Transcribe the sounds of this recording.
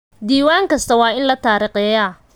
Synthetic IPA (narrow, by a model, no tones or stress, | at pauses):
d̪iːwaːŋkʰɐst̪ʰɐwɑːɪnlɐt̪ʰaːɾiːqɛːjaː